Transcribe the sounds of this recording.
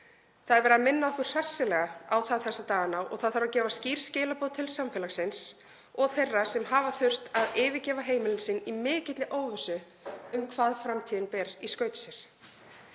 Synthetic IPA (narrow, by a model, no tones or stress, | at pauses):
θaðvɛɾaðmɪnːaðɔhkʏr̥r̥asːɪlɛɣaawθaðθɛsːat̪aːɣanawʔɔ̰ɣθaðθaɾacɛːvasciːɾ̥scɪːlapoːðt̪ʰɪlsamfɛlasɪns | ɔɣθejrːasɛmɦaːvaθʏr̥t̪aðɪːvɪcɛːvaɦeːjmɪlɪnsɪnːimɪːcɪt̪lɪʔoːwvʏsʏ | ʏmkʰvaːðfɾamt̪ʰinpɛɾiskœːɥp̪sɛɾ̥